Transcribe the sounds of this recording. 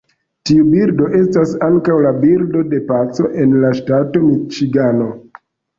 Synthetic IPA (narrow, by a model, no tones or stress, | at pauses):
tiubiɾdo̞ʔe̞stasaŋkawlabiɾdo̞de̞pat͡so̞ʔe̞nlaʃtato̞mit͡ʃiɡano̞